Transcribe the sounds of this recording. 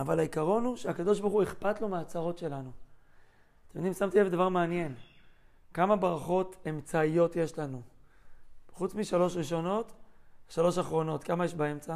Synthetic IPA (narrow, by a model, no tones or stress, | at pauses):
avalhaikaʁo̞nuʃeakad̪o̞ʃ̬baʁχueχpat̪lo̞meat͡saʁo̞tʃe̞lanu | t̪emd̪imsamt̪ievd̪avaʁmeanje̞n | kamabʁaχo̞t̪e̞mt͡saijo̞t̪jeʃlanu | χut͡smiʃalo̞ʃʁiʃo̞no̞t̪ʃalo̞ʃaχʁo̞no̞t̪kamajeʃbae̞mt͡sa